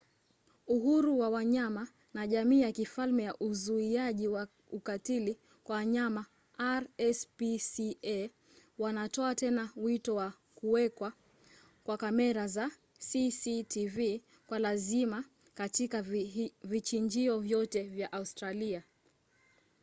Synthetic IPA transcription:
uhuɾuwawaɲama | naʄamiːjakifalmɛjaʔuzuiaʄiwa | ukatili | kwawaɲama | aɾɛspisiɛ | wanatɔatɛnawitɔwa | kuwɛkwa | kwakamɛɾaza | sisitʰivi | kwalazima | katikavit͡ʃiɲd͡ʒiɔvjɔtɛvjaʔaustɾalia

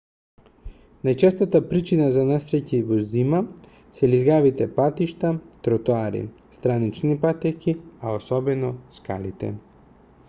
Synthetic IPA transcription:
najt͡ʃɛst̪at̪apɾit͡ʃinazanasɾɛcivɔzima | sɛlizɡavit̪ɛpat̪iʃt̪at̪ɾɔt̪oaɾḭ | st̪ɾanit͡ʃnipat̪ɛkiaosɔbɛnɔska̰lit̪ɛ̰

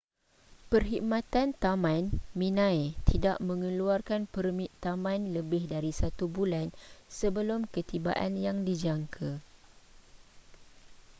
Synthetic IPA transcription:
pərɦimãt̪ant̪amãnmĩnãjt̪ʰidaʔmə̃ŋə̃luarkanpərmit̪amãnləbɪhdaɾisat̪ubulansəbəlʊmkət̪iba̰ʔanjaŋdid͡ʒaŋkʰa

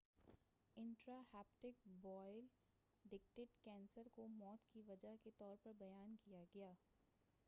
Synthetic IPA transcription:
ɪ̃ɳʈɾahɛːp̚ʈɪk̚bɔːɪl | ɖɪk̚ʈeːʈkɛ̃ːnsəɾkomɔːt̪kiʋɐd͡ʒaɦket̪ɔːɾpɐɾbɐjaːnkijaɡɐjaː

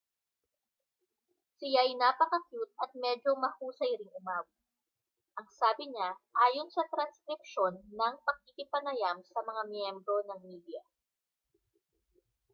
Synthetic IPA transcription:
sɪjajnaːpɐkɐkjut̪̚ɐt̪̚mɛːd͡ʒo̞mɐhuːsɐjɾɪŋʊmaːwɪ | ʔɐŋsaːbɪɲaʔaːjo̞nsɐt̪ɾɐnskɾɪp̚ʃo̞nːɐŋpɐɡ̚kikɪpɐnɐjamsɐmɐŋamjɛmbɾo̞nɐŋmiːd̪ɪjɐ

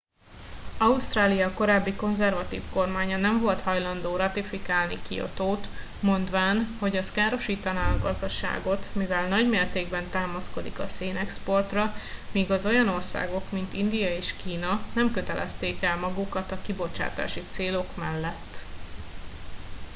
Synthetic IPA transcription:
ɒust̪raːlijɒko̞ɾaːbːiko̞nzɛrvɒt̪ḭːfko̞rmaːɲɒnɛɱvo̞lt̪hɒjlɒnd̪oːɾɒt̪ifikaːlnikḭo̰t̪oːt̪ | mo̞nd̪ʋaːnho̞ɟɒskaːɾo̞ʃiːt̪ɒnaːɒɡɒzd̪ɒʃa̰ːɡo̞t̪mivɛlnɒɟmeːrt̪eːɡbɛnt̪aːmɒsko̞d̪ḭkɒseːnɛkspo̞rt̪rɒmiːɡɒzo̞jɒno̞rsa̰ːɡo̞kmint̪ind̪ijɒeːʃkiːnɒnɛmkøt̪ɛlʔɛ̰st̪eːkɛlmɒɡukɒt̪ɒkibo̞t͡ʃa̰ːt̪a̰ːʃit̪seːlo̞kmɛlːɛt̪ː

